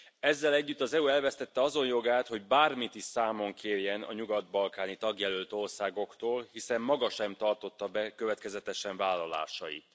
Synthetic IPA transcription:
ɛzːɛlɛɟːyt̪ːɒzɛuɛlvɛst̪ɛt̪ːɛɒzo̞njo̞ɡaːt̪ho̞ɟbaːrmit̪iʃsaːmo̞ŋkʰeːrjɛnɒ̰ɲuɡɒd̪̚bɒlkaːnit̪ɒɡjɛlølt̪o̞rsaːɡo̞kt̪oːlhisɛmːɒɡɒʃɛmt̪ɒrt̪o̞t̪ːɒbɛkøvɛt̪kɛzɛt̪ɛʃɛɱvaːlːɒla̰ːʃɒjḭt̪

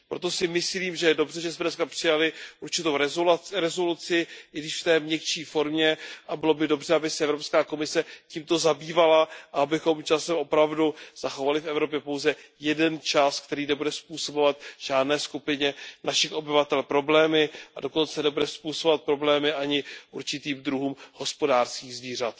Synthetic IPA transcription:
pɾo̞t̪o̞sɪmɪsliːmʒɛjɛdo̞brɛʒɛsmɛdnɛskapr̥ɪjalɪʔuɾt͡ʃɪt̪owɾɛɾɛzo̞lut͡sɪʔɪɡdɪʃft̪ɛːmɲɛkt͡ʃiːfo̞ɾmɲɛʔabɪlo̞bɪdo̞brɛabɪsɛɛvɾopskaːko̞mɪsɛciːmt̪o̞zabiːvalaʔaabɪxo̞mt͡ʃasɛmʔo̞pɾavduz̥axo̞valɪfɛvɾo̞p̬jɛpo̞wzɛjɛdɛnt͡ʃask̚t̪ɛɾiːnɛbudɛspuːso̞bo̞vat̪ʒ̥aːdnɛːskupɪɲɛnaʃɪxʔo̞bɪvat̪ɛlpɾo̞blɛːmɪʔa̰do̞ko̞nt͡sɛnɛbudɛspuːsobvat̪̚pɾo̞blɛːmɪʔaɲɪʔuɾt͡ʃɪt̪iːmd̪ɾuɦuːmho̞spo̞daːrskiːɣzviːr̝at̪

